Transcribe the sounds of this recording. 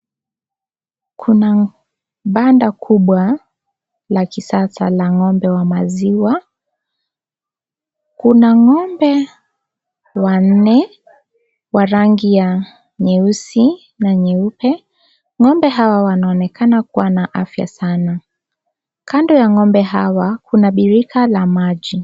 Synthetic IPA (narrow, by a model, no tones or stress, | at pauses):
kʰuna | ɓandakʰuɓwa | lakisasa̰laŋɔmbɛwamaziwa | kunaŋɔmbɛ | wan̩nɛ | waɾaŋɡija | ɲɛusi | naɲɛupɛ | ŋɔmbɛɦawawanaɔnɛkanakuwanaʔafja̰sana | kʰandɔjaŋɔmbɛɦawakunaɓiɾikalamaʄi